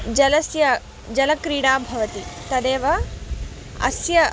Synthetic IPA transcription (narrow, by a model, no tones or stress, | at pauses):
d͡ʒɐlɐsjɐ | d͡ʒɐlɐkɾiːɽaːbʱɐʋɐt̪it̪ɐd̪eːʋɐ | ɐ̰sjɐ